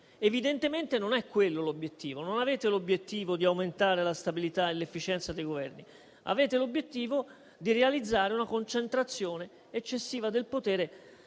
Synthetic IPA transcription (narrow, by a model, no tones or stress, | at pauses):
evid̪ent̪ement̪enonɛkːwelːolobjet̪ːiːvononaveːt̪elobjet̪ːiːvod̪iawment̪aːɾelast̪abilit̪aelefːit͡ʃɛnt̪sad̪ejɡovɛrni | a̰veːt̪elobjet̪ːiːvo | d̪irealid̪zːaːɾeunakont͡ʃent̪ɾat̪sːjoːneː | t͡ʃːesːiːvad̪elpot̪ɛːɾe